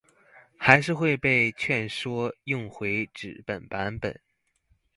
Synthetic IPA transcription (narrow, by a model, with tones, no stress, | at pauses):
xa˧˥ɪʂɻ̩˥˧xwe˥˧ɪpe˥˧ɪt͡ɕʰɥɛ˥˩nʂwɔ˥jʊ˥˩ŋxwe˧˥ɪʈ͡ʂɻ̩˨˩pə˨˩npa˧˥npə̰˨˩˦n